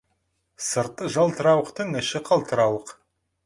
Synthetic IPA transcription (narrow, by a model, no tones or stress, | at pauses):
səɾt̪ːəʒɑlˠt̪əɾɑwəqt̪əɴɪʃɪqʰɑlˠt̪əɾɑwəq